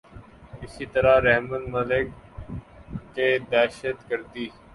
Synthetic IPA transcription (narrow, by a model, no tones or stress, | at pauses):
ɪsiːt̪əɾaɾɛɦmənməlɪk | eːd̪ɛːʃət̪kəɾt̪iː